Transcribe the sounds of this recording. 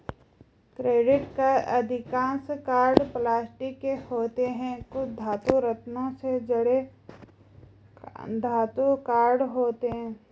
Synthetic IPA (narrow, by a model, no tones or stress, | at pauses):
kɾeːɖɪʈkaɐd̪ʱɪkãːskaːɾɖplaːsʈɪkːehoːt̪eɦɛ̃kʊd̪ʱaːt̪uɾət̪nõsed͡ʒɐɽe | d̪ʱaːt̪ukaːɾɖɦoːt̪eɦɛ̃ː